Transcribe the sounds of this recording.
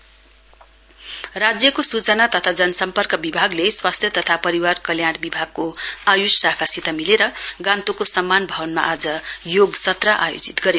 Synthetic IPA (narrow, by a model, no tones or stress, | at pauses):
rad͡zjʌkosut͡sʌnat̪ʌt̪ʰad͡zʌnʌsʌmpʌrkʌbibʱaɡleswast̪ʰjʌt̪ʌt̪ʰapʌɾiwarkʌljaɽbibʱaɡ̚koajussakʰasit̪ʌmileɾʌɡãnt̪okosʌmːanbʱawʌnma̰ʔad͡zʌjoɡsʌt̪rʌʔajo̰d͡zit̪ɡʌɾe